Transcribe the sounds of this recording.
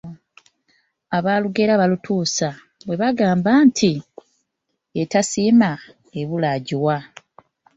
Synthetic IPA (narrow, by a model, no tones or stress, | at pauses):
aβaːluɡe̞ɾaβalutʰuːsa | βwe̞βaɡaːmbantʰi | etasiːma | eβulaɟiwa